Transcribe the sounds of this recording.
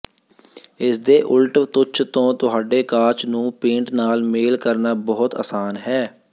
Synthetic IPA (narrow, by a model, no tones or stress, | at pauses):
ɪsd̪eːʔʊlʈt̪ʊt͡ʃʰt̪õːt̪ʊɦaːɖeːkaːɾt͡ʃnũːpẽːɳʈnaːlmeːlkəɾnaːbɔːʊt̪ə̰ːsaːnɦɛː